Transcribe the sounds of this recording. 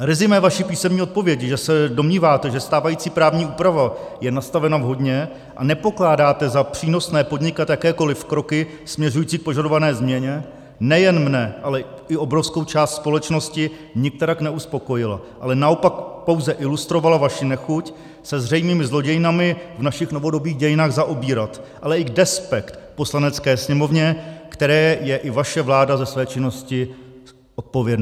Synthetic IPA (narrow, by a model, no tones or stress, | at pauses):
ɾɪzɪmɛvaʃipiːsɛmɲiːot̪̚po̞vjɛcʒɛsɛdo̞mɲiːvaːt̪ɛʒɛst̪aːvajiːt͡siːpɾaːvɲiːʔuːpɾavajɛnast̪avɛnavɦo̞dɲɛ | ʔa̰nɛpo̞klaːdaːt̪ɛzapr̝̥iːno̞snɛːpo̞dɲɪkat̪jakɛːko̞lɪfkɾo̞kɪ | smɲɛr̝ujiːt͡siːk̚po̞ʒado̞vanɛːzmɲɛɲɛ | nɛjɛnmnɛʔalɛ | ɪʔo̞bɾo̞fskowt͡ʃaːst̪spo̞lɛt͡ʃno̞scɪ | ɲɪk̚t̪ɛɾaknɛuspo̞ko̞jɪla̰ | ʔalɛnao̞pak̚po̞wzɛʔɪlust̪ɾo̞valavaʃɪnɛxuc | sɛzr̝ɛjmiːmɪzlo̞ɟɛjɪnamɪvnaʃɪxno̞vo̞do̞biːɣɟɛjɪnaːɣzaʔobiːɾat̪ʔalɛɪɡdɛspɛkt̪po̞slanɛt͡skɛːsɲɛmo̞vɲɛkt̪ɛɾɛːjɛʔɪvaʃɛvlaːdazɛsvɛːt͡ʃɪno̞scɪ | ʔot̪̚povjɛdnː